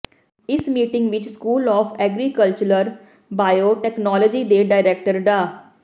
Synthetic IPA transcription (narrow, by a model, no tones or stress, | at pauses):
ɪsmiːʈɪ̃ŋɡʋɪt͡ʃskuːlɔːpʰɛːɡɾiːkəlt͡ʃʊɾəɾ | baːjoːʈɛːknɔːlɔd͡ʒiːd̪eːɖaːɪɾeːk̚ʈəɾɖaː